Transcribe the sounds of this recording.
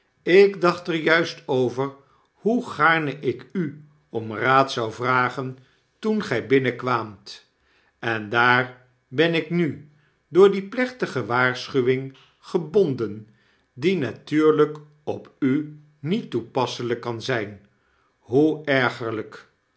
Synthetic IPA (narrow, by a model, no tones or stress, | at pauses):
ɪɡdɑχtəɹjœɥstowvəɹ | huχaːɹnəʔɪky | ɔmraːtsɑwvraːχən | tunχɛjbɪnəkʋaːmt | ɛndaːɹ | bɛnɪkny | dʊːɹdiplɛχtəχəʋaːɹsχyʋɪŋ | χəbɔndən | dinatyːɹlək | ɔpy | nitupɑsələkːɑnzɛjn | ɦuɛɹχəɹlək